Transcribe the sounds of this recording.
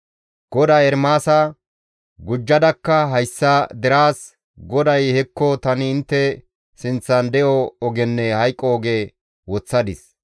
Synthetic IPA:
ɡ̥ɔd̪aːɛɾmaːsɐ | ɡʊd͡ʒːɐd̪ɐkːɐɦɐjsːɐd̪ɛɾaːs | ɡɔd̪ɐjhɛkːɔt̪ɐnɪːnt̪ːɛ | sɪnt͡sːɐnd̪ɛjɔɔɡɛnːɛhɐjkʼːɔːɡeː | wɔt͡sːɐd̪ɪs

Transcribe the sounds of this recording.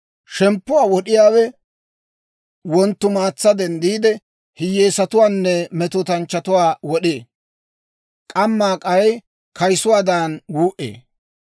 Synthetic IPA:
ʃɛmpːʊwaːwɔɗɪjaːwɛ | wɔnt̪ːʊmaːt͡sːɐd̪ɛnd̪iːd̪ɛ | hɪjːeːsɐt̪ʊwaːnːɛmɛt̪ʊt̪ɐnt͡ʃːɐt̪ʊwaːwɔɗeː | kʼɐmːaːkʼɐj | kɐjsʊwaːd̪anɡuːʔḛː

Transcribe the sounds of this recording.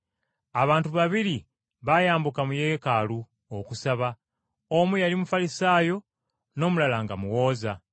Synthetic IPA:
aβaːntuβaβiɾi | βajaːmbukamujeːkalu | okusaβa | omujalimufalisaːjo̞ | no̞ːmulalaŋɡamuwo̞ːza

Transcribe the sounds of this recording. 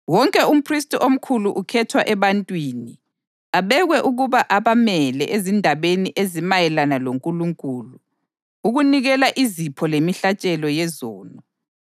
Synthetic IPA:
wɔŋkʼɛum̩pʰristʼiʔom̩kʰuluʔukʰɛtʰwaʔɛβantʼwiːni | aβɛɣwɛʔuɣuβaʔaβamɛlɛʔezindʱaβeniʔezimajɛlanaloŋkʼuluŋkʼulu | uɣuniɣɛlaʔizipʰɔlemiɬat͡ʃʼɛlɔjɛzɔːnɔ

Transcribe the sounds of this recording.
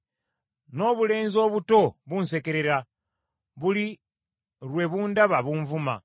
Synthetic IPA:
no̞ːβule̞ːnzo̞ːβuto̞βunse̞ke̞ɾe̞ɾa | βuli | ɾwe̞βuːndaβaβuɱvuma̰

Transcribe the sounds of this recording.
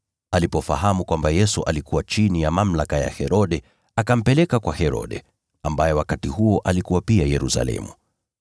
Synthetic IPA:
alipɔfa̰ɦamukwambajɛsuʔalikuwat͡ʃinijamam̩lakaja̰hɛɾɔɗɛ | akam̩pɛlɛkakwahɛɾɔ̰ɗɛ̰ | ambajɛwakatihuɔʔalikuwapiajɛɾusa̰lɛ̰mu

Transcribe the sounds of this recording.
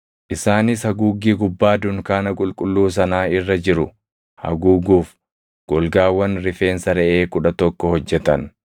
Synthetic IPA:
ʔɪsaːnɪshɐɡuːɡiːɡʊbːaːd̪ʊŋkaːnɐkʼʊlkʼʊlːuːs̬ɐnaːɪrːɐd͡ʒɪɾʊ | hɐ̰ɡuːɡuːf | ɡ̥ɔlɡaːwːɐnɾɪfe̞ːnsɐɾɛʔeːkʊᶑɐt̪ɔkːɔhɔd͡ʒːɛt̪ɐn

